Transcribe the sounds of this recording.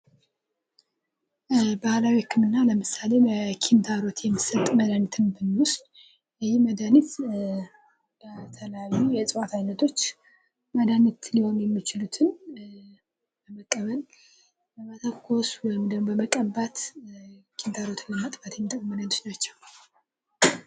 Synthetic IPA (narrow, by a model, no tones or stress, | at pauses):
bahlawikʰːɨmɨnːaləmɨsale̞bəkʰint̪ʰaɾo̞t̪jɛmːɨsət̪ʼməd̪anit̪ʰɨnbɨnwʊst̪ʼ | ɨjiməd̪anit̪ | bət̪ʰəlajːujɛsʼɨwat̪ʰajnːət̪ʰo̞t͡ʃː | məd̪anit̪liho̞njɛmːit͡ʃɪlut̪ʰɨn | bəməkʼːəβəl | bəmət̪ʰəkʰːo̞swɔjɪmd̪əbəməkʼəbːat̪ | kʰint̪ʰaɾo̞t̪ʰlɨmat̪ʼfat̪ʰjɛmːit̪ʼəkʼmənat̪ot͡ʃnat͡ʃːɛw